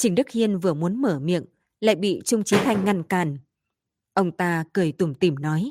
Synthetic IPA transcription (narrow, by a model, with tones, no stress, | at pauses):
t͡ɕï˧˩ŋ̟ɗɨ˦˥k̚hi˧ənvɨ˨˩əmu˨˦ənməː˧˩mḭ˧˨əŋ | la̰ː˧˨jɓḭ˧˨t͡ɕʊ˧ŋ͡mt͡ɕi˨˦t̪ʰa˧jŋ̟ːa˧˩nkaː˨˩n | ʔə˧wŋ͡mt̪aː˧kɨ˨˩əjt̪u˨˧˩mt̪i˧˩mnɔ˨˦j